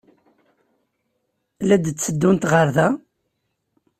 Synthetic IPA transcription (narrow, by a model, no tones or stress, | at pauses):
læd̪t͡sːəd̪ːunt̪ʁəɾðæ